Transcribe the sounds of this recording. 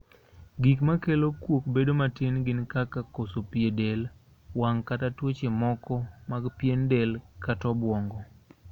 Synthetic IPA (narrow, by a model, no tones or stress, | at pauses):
ɡikmakelokwokbedomatenɡɪnkakakosopiedel | waŋkatatwot͡ʃemɔkɔmaɡpjendelkatɔbwɔŋɡɔ